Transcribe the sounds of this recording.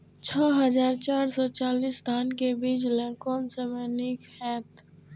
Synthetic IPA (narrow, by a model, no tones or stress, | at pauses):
t͡ʃʰɔːɦəzaːɾt͡ʃaːɾsɔt͡ʃaːlist̪ʰaːnkebiːd͡ʒlɛ̃kɔːnsemɛːnikhɛːt̪